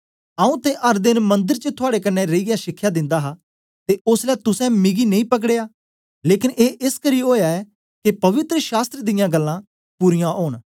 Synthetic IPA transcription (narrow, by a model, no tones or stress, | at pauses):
aũːt̪eːʔəɾd̪ɪnmə̃nd̪ɪɾt͡ʃət̪ʰʊaːɽeːkənːɛɾəiɡɪjaːʃɪkʰːjaːd̪ɪ̃nd̪aːɦaː | t̪eːʊslɛːt̪ʊsɛ̃ːmɪɡiːnɐ̃ĩːpəkɽeːaː | leːkɪneːʔɪskəɾiːɦoːjaːɛː | kɪpɐʋɪt̪ɾəʃaːst̪ɾəd̪ɪjãːɡəlːãː | puɾɪjãʔoːɳ